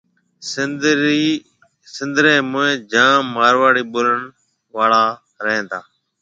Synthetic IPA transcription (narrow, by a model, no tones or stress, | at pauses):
si | sɪ̃nd̪ɾẽːmʊẽːd͡ʒãːaːɾʋaːɽiːɓʊɾəɳ | ʋaːɭaː | ɾəɦẽːt̪ʰaː